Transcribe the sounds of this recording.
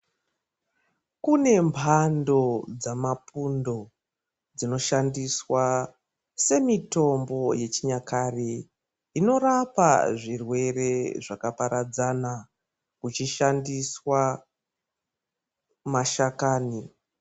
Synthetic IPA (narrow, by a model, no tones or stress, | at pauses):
kune̞mpʰando̞d͡zamapundo̞ | d͡zino̞ʃandiswa | se̞mito̞mbo̞je̞t͡ʃiɲakare | ino̞ɾapa̰ʐirwe̞re̞ʐakapaɾad͡zana | kut͡ʃiʃandiswa | maʃakaːni